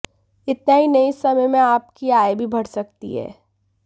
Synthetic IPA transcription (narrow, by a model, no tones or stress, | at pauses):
ɪt̪naɦinɐisɐməjmẽaːpkiaːjbʱibʱɐɽsɐk̚t̪ḭɦɛ̰ː